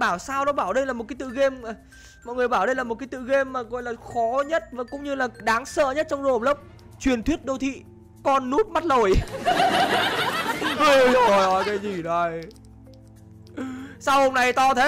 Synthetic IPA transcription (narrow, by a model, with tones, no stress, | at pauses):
ɓaː˧˩wsaː˧wɗɔ˨˦ɓaː˧˩wɗe˧jnlaː˨˩mo˨˩kːaː˨˦t̪ɨ̰˧˨ɣe˧m˨˩ | mɔ̰˧˨jŋɨ˨˩əjɓaː˧˩wɗe˧jlaː˨˩o˨˩t̚kaː˨˦t̪ɨ̰˧˨ɣe˧mːaː˨˩ɣɔ˧˨jlaː˨˩xɔ˨˦ɲə˦˥t̚va˨˩kʊ̰˧˥ŋ͡mɲɨ˧laː˨˩ɗaː˨˦ŋsə̰ː˧˨ɲə˦˥t̚t͡ɕɔ˧wŋ͡mzo̰˧˨˩lə˦˥p̚ | t͡ɕwi˨˩ənt̪ʰwi˦˥ət̚ɗo˧wt̪ʰḭ˧˨ | kɔ˧nːu˦˥t̚ma˦˥t̚lo˨˩j | ʔo˨˩jʔɔ˨˦jkaː˨˦jzi˨˩ɗo˨˧˩j | sa˧who˧mna˨˩jt̪ɔ˧t̪ʰə˨˦